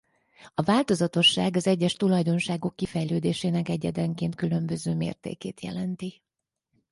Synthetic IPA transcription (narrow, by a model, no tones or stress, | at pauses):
ɒvaːlt̪o̞zɒt̪o̞ʃːaːɡɒzɛɟːɛʃt̪ulɒjd̪o̞nʃaːɡo̞kːifɛjløːd̪eːʃeːnɛkɛɟɛd̪ɛŋkeːnt̪̚kylø̞mbø̞zøːmḛːrt̪ḛːkḛːt̪jɛ̰lɛnt̪i